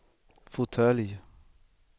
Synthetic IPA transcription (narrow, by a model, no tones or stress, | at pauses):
fʊt̪ʰœlj